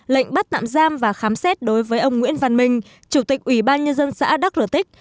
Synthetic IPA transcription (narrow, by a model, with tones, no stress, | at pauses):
lə̰˧˨ŋ̟ɓa˦˥t̚t̪a̰ː˧˨mzaː˧mvaː˨˩xaː˨˦msɛ˦˥t̚ɗo˨˦jvəː˨˦jʔə˧wŋ͡mŋwḭ˧˥ənva˨˩nmï˨˩ŋ̟ | t͡ɕu˧˩t̪ï˨˩k̚ʔwi˧˩ɓaː˧nɲə˧nzə˧nsa̰ː˧˥ɗa˦˥k̚zɨ˧˩t̪ï˦˥k̟̚